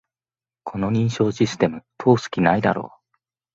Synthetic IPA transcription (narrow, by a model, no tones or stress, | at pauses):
kʰo̞no̞ɲ̟ĩɰ̃ɕo̞ːɕisɨ̥t̪e̞mɯ̟t̪ʰo̞ːsɨ̥kʲinaid̪a̰ɾo̞̰ː